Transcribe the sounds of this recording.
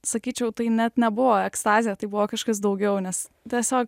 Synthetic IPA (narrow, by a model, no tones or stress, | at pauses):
sɐkʲiːt͡ʃʲɛʊt̪ɐɪnʲɛt̪nʲɛbʊʋoːɛkst̪ɑːzʲɪjɛt̪ɐɪbʊʋoːkɑʃkɐs̬d̪ɐʊɡʲɛʊnʲɛs | t̪ʲiɛsʲoːk